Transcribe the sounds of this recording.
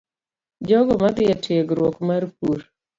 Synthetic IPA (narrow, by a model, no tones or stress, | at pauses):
d͡ʒɔɡɔmad̪ɪjatʰeɡɾwɔkmarp̚uɾ